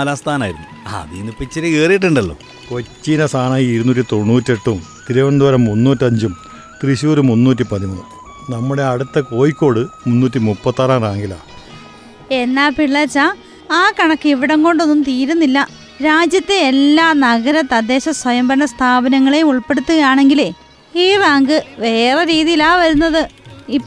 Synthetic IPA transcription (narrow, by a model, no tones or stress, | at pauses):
ɐlaːst̪ʰaːnaːjiɾunːua̰ɐ̰ðinːupːit͡ɕːɐɾeeːrijiʈ̬ːeɳɖɐlːo̰ː | kot͡ɕːinɐsaːɳaːjiiɾunuːtːit̪o̞ɳːuːtːieʈːumt̪iɾuʋɐɳɖ̪uʋɐɾɐmːunːuːtʲːiɐɲd͡ʑum | t̪riɕuːɾumunːuːt̬ʲːipɐðimunːu | nɐmːuɽe̞ɐɽut̪ːɐko̞ːjikʲːo̞ːɽɨmunːuːtːimupːɐt̪ːaːraːnraːŋɡila̰ː | e̞nːaːpiɭːɐt͡ɕːa | aːkɐɳɐkːɨiʋiɽɐŋko̞ɳɖo̞nːumt̪iːɾunːilːɐ | ɾaːd͡ʑjɐt̪ːeelːaːnɐɣɐɾɐt̪ːɐd̪ːe̞ːɕɐswɐjɐmbɐnɐst̪ʰaːbɐnɐŋːɐɭe̞uɭpeɽut̪ːuɣɐjaːɳe̞ŋɡile | iːraːŋɡɨʋe̞ːreɾiːðijilaːʋɐɾunːɐðɨipː